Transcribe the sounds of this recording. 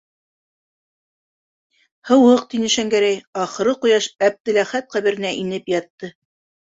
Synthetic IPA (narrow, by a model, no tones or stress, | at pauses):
hɤ̆wɤq̚t̪inɘ̆ʃæŋɡæɾæjɑχɤ̆ɾɤqujɑʃæb̚d̪ɘ̆læχæt̪̚qæβɘ̆ɾɘ̆næʔinɘpjɑt̪ːɤ